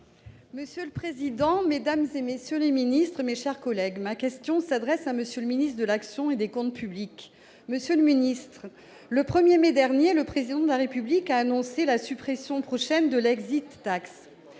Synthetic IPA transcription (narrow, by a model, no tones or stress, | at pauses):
məsjøləpχezid̪ɑ̃med̪amzemesjøleminist̪χmeʃɛʁkɔlɛɡmakʲɛst̪jɔ̃sad̪ʁɛsaməsjøləminist̪χəd̪əlaksjɔ̃ed̪ekɔ̃t̪pʰyblik | məsjøləminist̪χ | ləpχəmjemed̪ɛʁnjeləpχezid̪ɑ̃d̪əlaʁepyblikaːnɔ̃selasypχesjɔ̃pχɔʃɛnd̪əlɛɡzit̪ːaks